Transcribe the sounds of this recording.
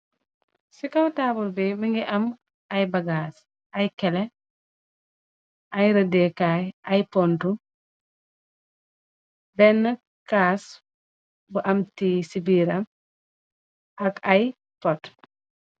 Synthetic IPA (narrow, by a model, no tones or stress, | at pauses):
sikɐwtaːbulbimiŋɡiʔɐm | ɐjbɐɡaːs | ɐjkɛlɛ | ʔɐjɾɐdɛkajɐjpɔntu | bɛnːɐ | kaːs | buʔɐmtisibiːɾɐm | ʔɐkɐj | pɔt